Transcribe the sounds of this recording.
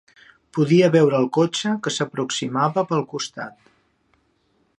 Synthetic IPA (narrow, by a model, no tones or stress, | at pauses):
puðiəβɛwɾəːlˠkot͡ʃəkəsəpɾuksimaβəpəlˠkust̪a̰t̪